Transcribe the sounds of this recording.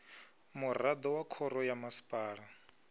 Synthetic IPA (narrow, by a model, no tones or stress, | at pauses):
murad̪ɔwakʰɔɾɔjamasi̥pʼaːɺa